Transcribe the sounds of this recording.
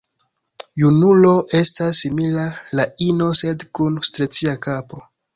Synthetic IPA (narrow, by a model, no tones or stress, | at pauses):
junulo̞ʔe̞stasːimilalaino̞se̞dkunstɾet͡siakapo̞